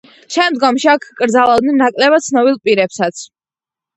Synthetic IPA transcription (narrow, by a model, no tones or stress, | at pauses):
ʃɛmd̪ɡɔmʃiakʰkʼɾd̪zalˠad̪nɛnːakʼlɛβat̪sʰnɔbilˠpʼiɾɛpsat̪sʰ